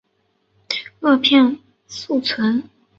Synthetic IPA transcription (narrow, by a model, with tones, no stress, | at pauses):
ɤ˥˧pʰjɛ˥˧n | su˥˩t͡sʰwə˧˥n